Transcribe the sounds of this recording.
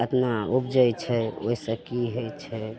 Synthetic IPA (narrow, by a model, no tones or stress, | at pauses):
ət̪naub̚d͡ʒəjt͡ʃʰɛoisə̃kiɦojt͡ʃʰɛ